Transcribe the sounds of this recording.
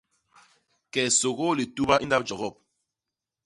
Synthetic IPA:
kɛ˨so˨ɣo˦li˨tu˦ba˦ʔi˦nda˦p̚d͡ʒɔ˨ɣɔ˦˨p̚

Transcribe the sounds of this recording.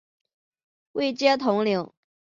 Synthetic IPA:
we˥˩ɪt͡ɕjɛ˥t̪ʰʊ˧˥ŋljʊ˧˥ʊ

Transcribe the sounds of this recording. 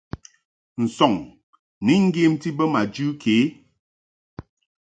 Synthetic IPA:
n̩˨sɔ˨ŋ | ni˦ŋ̩˦ɡe˦mti˦bə˦ma˨d͡ʒʉ˦kʰe˨˦

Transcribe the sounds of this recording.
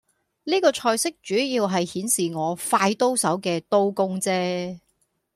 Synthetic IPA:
niː˥kɔː˧t͡ʃʰɔː˧jsɪ˥k̚t͡ʃyː˨˥jiː˧wɦɐ˨jhiː˨˥nsiː˨ŋɔː˨˧faː˧jt̪o˥wsɐ˨˥wkɛː˧t̪o˥wkʊ˥ŋt͡sɛː˥

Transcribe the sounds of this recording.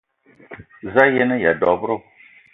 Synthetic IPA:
za˦jɛ˦nɨ˦ja˨dɔ˨bʊ˦ɾʊ˦˨

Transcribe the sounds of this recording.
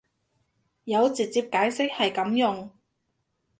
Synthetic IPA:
jɐ˨˧wt͡si˨t̚t͡siː˧p̚kaː˨˥jsɪ˥k̚hɐ˨jkɐ˨˥mjʊ˨ŋ

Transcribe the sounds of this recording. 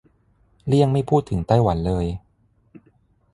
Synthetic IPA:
li˥˩əŋma˥˩jpʰuː˥˩t̪ʰːɯ˩˦ŋt̪a˥˩jwa˩˦nlɤː˧j

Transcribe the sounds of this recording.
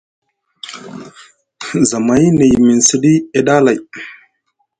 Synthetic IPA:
za˨ma˨˦jne˨jmi˨nsi˦ɗi˦e˦ɗa˦la˨j

